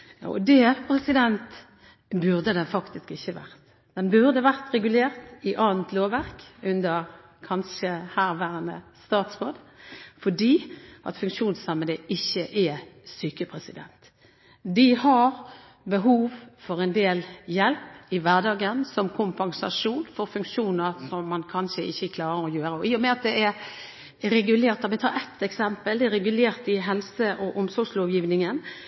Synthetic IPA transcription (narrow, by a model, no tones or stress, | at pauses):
jɑ̰ːʔɔ̰d̪ɛpʰɾɛsɪd̪ɛnt̪ | bʉʁd̪əd̪ɛnfɑkt̪ɪskɪçːəʋæ̰ʁt̪ | d̪̥ɛnbʉʁd̪əʋæʁt̪ɾɛɡʉleːʁt̪ɪʔɑːnt̪ʰloːʋæʁkʉnd̪əʁ | kʰɑnʃəhæːʁʋæːɾənə̰st̪ɑːt̪sʁoːd̪fɔdiːʔɑ̰t̪fʉŋkʃuːnsɑməd̪əʔɪçːəʔɛsyːkəpʰʁɛsɪd̪ɛ̰nt̪ | d̪ɪhɑɾ | bəɦuːʋfɔɾɛnd̪eːljɛlpɪʋæʁd̪ɑːɡənsɔmkʰʊmpɑŋsɑ̰ʂuːnfɔɾfʉŋkʂuːnəɾsɔmːɑnkʰɑnʃəɪçːəkʰlɑːɾəɾɔjøːɾəɔɪːʊmɛɑt̪̚d̪ɛʔɛɾ | ɾɛɡʉleːɾt̪d̪ɑʋɪt̪ʰɑ̰ːɾɛt̪ɛksɛmpəld̪ɛɛɾɛɡʉleːɾt̪ɪɦɛlsəʔɔʔɔmsɔɡsloːʋjiːʋnɪŋən